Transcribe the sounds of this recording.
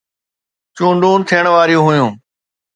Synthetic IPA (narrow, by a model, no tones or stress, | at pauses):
t͡ʃũːɳɖũːnt̪ʰijəɳ̃ʋaːɾijũːɦʊjũː